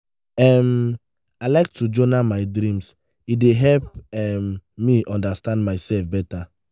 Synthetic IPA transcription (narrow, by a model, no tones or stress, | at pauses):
ɛm | alaɪk̚tud͡ʒɔnamaɪdɾĩms | ideɦɛlp̚ɛmːiʔɔ̃ndastãndmaɪsɛlfbɛta